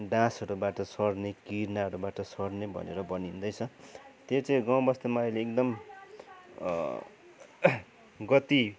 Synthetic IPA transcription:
ɖãsʌɾubaʈʌsʌrnekirnaʌɾubaʈʌsʌɽnebʱʌ̰nḛɾʌbʌnind̪ʌjt͡sʰʌt̪jot͡sʌ̃ĩɡaw̃bʌst̪emaʌjleːk̚d̪ʌm | ɡʌt̪i

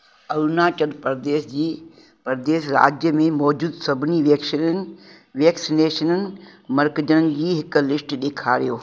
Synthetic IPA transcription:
ɐɾunaːt͡ʃəd̪pɐɾd̪eːsd͡ʑiː | pɐɾd̪eːʃ̬ɾa̰ːd͡ʑjəmẽmɔːd͡ʑuːd̪sɐbʱɪniʋekʃ | ʋɛːksineːʃənənɪ̆mɐɾkd͡ʑənənɪ̆d͡ʑiːɦɪklɪsʈɗ̪eːkʰaːɾijoː

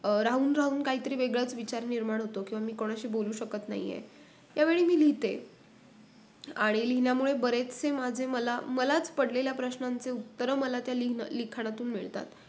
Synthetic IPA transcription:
ɾaɦuːnɾaɦuːnkaɦiːt̪əɾiːʋeɡɭat͡sʋit͡ɕaɾniɾmaɽ̃ɦot̪okĩʋamiːkoɽ̃aɕiːboluːɕəkət̪na̰ɦḭjḛ | jaʋeɭiːmiːliɦt̪e | aɽ̃iliɦnjamuɭebəɾet͡st͡semad͡ʑʱeməla̰məlat͡spəɽleljapɾəɕnãnt͡seut̪ːəɾəməlat̪jalin̰likʰaɽ̃at̪uːnmiɭt̪a̰t̪

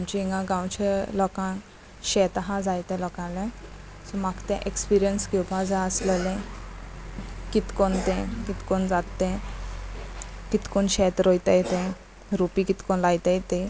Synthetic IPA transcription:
amt͡ɕiiŋɡãɡãwt͡ɕelɔkã | ɕɛt̪aɦãd͡zajt̪ɛ̃lɔkãlẽ | sɔmakt̪ɛ̃ʔekspiɾijənsɡewpʰad͡zaəsləlẽ | kit̪kont̪ɛ̃kit̪kond͡zat̪ːẽ | kit̪koɳɕɛt̪ɾojt̪ejt̪ɛ̃ | ɾupikit̪konlajt̪ejt̪e

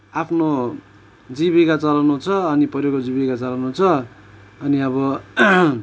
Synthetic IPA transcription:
apʰno | d͡zibikat͡sʌlanot͡sʰʌʌnipʌɾjokod͡zibikat͡sʌlanot͡sʰʌ | ʌniʌβʌ

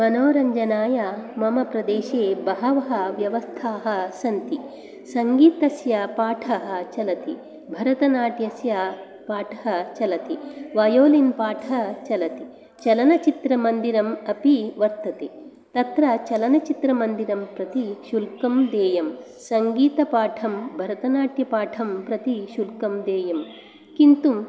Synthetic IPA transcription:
mɐnoːɾɐɲd͡ʒɐnaːjamɐmɐpɾɐd̪eːʃeːbɐɦɐʋɐɦɐ̆ʋjɐʋɐst̪ʰaːɦɐ̆sɐnt̪i | sɐŋɡiːt̪ɐsjɐpaːʈʰɐɦɐ̆t͡ʃɐlɐt̪i | bʱɐɾɐt̪ɐnaːʈjɐsjɐ | paːʈʰɐ̥ɦɐ̆t͡ʃɐlɐt̪iʋɐjoːlinpaːʈʰɐɐɦt͡ʃɐlɐt̪i | t͡ʃɐlɐnɐt͡ʃit̪ɾɐmɐnd̪iɾɐmɐpiʋɐɾt̪ɐt̪e | t̪ɐt̪ɾɐt͡ʃɐlɐnɐt͡ʃit̪ɾɐmɐnd̪iɾɐmpɾɐt̪iʃulkɐmd̪eːjɐm | sɐŋɡiːt̪ɐpaːʈʰɐmbʱɐɾɐt̪ɐnaːʈjɐpaːʈʰɐmpɾɐt̪iʃulkɐmd̪eːjɐm | kint̪um

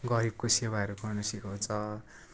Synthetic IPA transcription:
ɡʌɾib̚kosebaeɾokʌrnʌsikõt͡sʰʌ

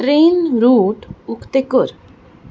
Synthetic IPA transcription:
ɾeːnɾuːʈukt̪ekʊɾ

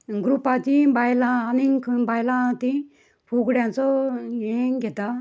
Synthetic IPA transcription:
ɡɾupat͡ɕibajlãnikʰbajlãt̪i | puɡɽjãt͡sojeɡet̪a

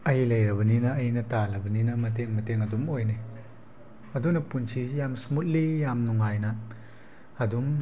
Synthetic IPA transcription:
ɐjlɐjɾɐβɐninɐːjnɐtalɐbɐninɐmɐt̬eŋmɐteŋɐdumojne | ɐdunɐpunsʰijamsmut̚lijamnuŋajnɐː | dum

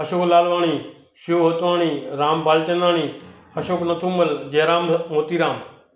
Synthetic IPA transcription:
ɦəʃoːklaːlʋaːɳ̃iː | ʃoːɦot̪ʋaːɳiːɾaːmbaːlt͡ʃənaːɳiː | həʃoːknət̪ʰũːməld͡ʒeːɾaːmmoːt̪iːɾaːm

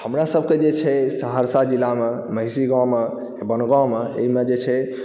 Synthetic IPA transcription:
həmɾasəb̚ʱked͡ʒet͡ʃʰɛsəɦəɾsad͡ʒilːame | məɦisiɡame | bənɡãmeḛimed͡ʒet͡ʃʰɛ

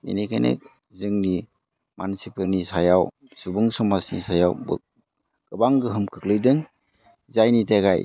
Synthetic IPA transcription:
ḛnekʰa̰nḛk̚ | zɯŋni | mansipɯɾnisajaw | subɯŋsɔmasnḭsajawb̰ | ɡ̥ɯbaŋɡɯɦɯmkʰɯk̚lɯjdɯŋ | zajnitaɡaj

